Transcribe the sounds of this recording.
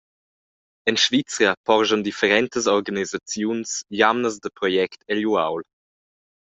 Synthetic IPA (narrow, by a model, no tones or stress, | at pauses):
ɛnʃvit͡səpɔʁʒənd̪ifəɾɛnt̪əs̬ɔɾɡanizat͡sjunsjamnəs̬d̪əpɾɔjɛktʰɛljuawl